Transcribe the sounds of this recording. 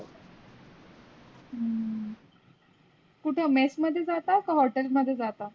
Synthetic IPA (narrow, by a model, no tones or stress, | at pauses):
ə | kuʈʰjamesməd̪ʱːjed͡zat̪akaɦɔʈelməd̪ʱːjed͡zat̪a